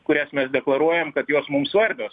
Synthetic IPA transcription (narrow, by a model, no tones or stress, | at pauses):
kʊɾʲæsmʲɛsd̪ʲɛklˠɐɾuɔjɛmkɐt̪joːsmʊmsʋɐɾʲbʲoːs